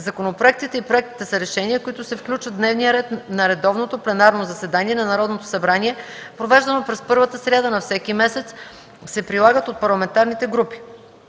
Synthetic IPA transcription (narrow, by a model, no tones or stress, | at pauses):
zɐkonopɾoɛk̚t̪it̪ɛipɾoɛk̚t̪i̥t̪ɛsɐɾɛʃɛniəkoit̪ʊsɛfklʲut͡ʃvət̪d̪nɛvnijəɾɛt̪nɐɾɛd̪ɔvnot̪oplɛnaɾnozɐsɛd̪aniɛnɐnɐɾɔd̪not̪o̥sɐbɾaniɛpɾovɛʒd̪ɐnopɾɛspɤɾvət̪əsɾʲad̪anɐfsɛkimɛsɛt̪s | sɛpɾilˠaɡət̪ot̪̚pɐɾlˠɐmɛnt̪aɾnit̪ɛɡɾupi̥